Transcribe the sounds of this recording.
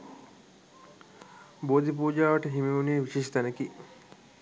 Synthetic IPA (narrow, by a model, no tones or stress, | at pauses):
boːd̪ipuːd͡ʒaːʋəʈəɦimeuneːʋiʃiʃt̪ænəki